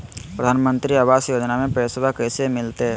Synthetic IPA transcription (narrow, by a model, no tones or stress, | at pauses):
pɾəd̪ʱaːnmə̃nt̪ɾiaʋaːsjoːd͡ʒnamẽpɾeːsəbʱakɛːsemɪlt̪eɦɛ